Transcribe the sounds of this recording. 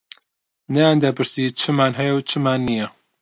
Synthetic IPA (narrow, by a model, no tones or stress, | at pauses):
nɐjaːnd̪ɐpʰɨɾsit͡ʃʰɨmaːnɦɛjɐwt͡ʃʰɨmaːnːijɐ